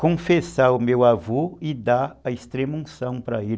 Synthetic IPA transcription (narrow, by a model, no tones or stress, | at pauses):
kõfesaʊmewavoɪd̪aɐist̪ɾemũsɐ̃w̃pɾɐel